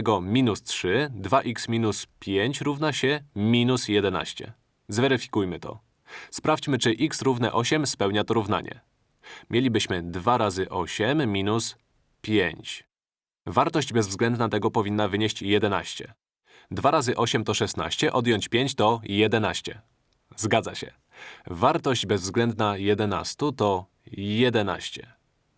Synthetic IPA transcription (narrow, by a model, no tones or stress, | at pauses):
ɛɡɔmʲinustʂɘd̪vaʔiksmʲinuspʲjeɲt͡ɕɾuvnaɕɛmʲinusjɛd̪ɛna̰ɕt͡ɕɛ̰ | zvɛɾɘfʲi̥kujmɘt̪ɔ̰ | spɾaft͡ɕmɘt͡ʂɘʔiksɾuvnɛʔɔɕɛmspɛwɲat̪ɔɾuvna̰ɲɛ̰ | mʲjelʲibɘɕmɘd̪vaɾazɘʔɔɕɛmːʲinus | pʲjeɲt͡ɕ | vaɾt̪ɔʑd͡ʑbɛzvzɡlɛnd̪nat̪ɛɡɔpɔvʲinːavɘɲeɕt͡ɕjɛd̪ɛna̰ɕt͡ɕɛ̰ | d̪vaɾazɘʔɔɕɛmt̪ɔʂɛsna̰ɕt͡ɕɛʔɔd̪jɔɲt͡ɕpʲjeɲt͡ɕt̪ɔjɛd̪ɛnaɕt͡ɕɛ | zɡad̪zaɕɛ̰ | vaɾt̪ɔʑd͡ʑbɛzvzɡlɛnd̪najɛd̪ɛna̰st̪ut̪ɔ | jɛd̪ɛna̰ɕt͡ɕɛ